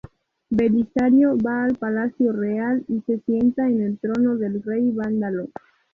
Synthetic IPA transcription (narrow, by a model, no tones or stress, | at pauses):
be̞lisaɾjoβaːlpalasjo̞realise̞sje̞nt̪aene̞lt̪ɾo̞no̞ðe̞lrejβand̪alo